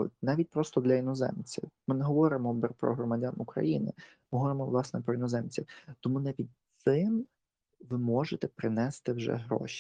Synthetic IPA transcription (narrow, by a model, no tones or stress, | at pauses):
nɑʋʲit̚ʲpɾɔst̪ɔd̪lʲɐʋinɔzɛ̰mt͡sʲiwmɪnɛɦɔʋɔɾɪmɔbpɾɔ̰ɦɾɔmɐdʲanukɾɐ̰jinɪ̰ | mɪɦɔʋɔɾɪmɔʋlˠɑsnɛpɾɔʋinɔzɛmt͡sʲiwt̪ɔmunɛpʲid̪ʲt̪sɪm | ʋɪmɔʒet̪ɛpɾɪnɛst̪ɪwʒɛ̰ɦɾɔ̰ʃʲi̥